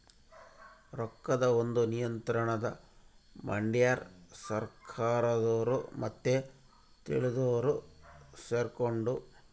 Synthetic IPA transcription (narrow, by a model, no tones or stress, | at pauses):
ɾɔkːɐd̪ɐond̪unijɐnt̪ɾɐɳɐd̪ɐmɐ̰ɳɖijaɾsɐɾkʰaːɾɐd̪oːɾumɐt̪ːe | t̪ḭɭid̪oːɾuseːɾkoɳɖu